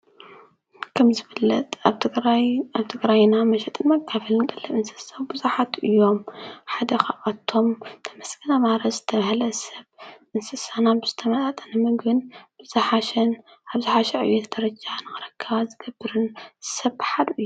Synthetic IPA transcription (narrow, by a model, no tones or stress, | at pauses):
kʰɐmzɨfɨlːɐt̪ʼʰaaβt̪ʰɨɡɾajnamɐʃɛt̪ʼɨnmɐkʰːafɐlɨnkʼɐlːɐʔɨnsɨ̥sɐβbɨzuħat̪ʔɨjːo̞mħad̪ɐxaʔat̪ʰːo̞mt̪ʰɐmɐsɡ̥ɐnamaɾɐzɨt̪ʰɐmɐhlɐsɐβʔɨnsɨsanabɨzɨt̪ʰɐmɐt̪ʼat̪ʼɐnɨmɨɡɨnb̥ɨzaħaʃɛn | aβzɨħaʃɛʕɨ̰jɛt̪ʰd̪̥ɐɾɐd͡ʒanɨxɨɾɐkʰːɐβazɨɡ̥ɐbːɨɾɨnsɐβħad̪uʔɨjːu